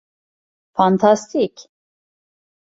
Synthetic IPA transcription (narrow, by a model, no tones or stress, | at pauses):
fant̪ʰast̪ʰik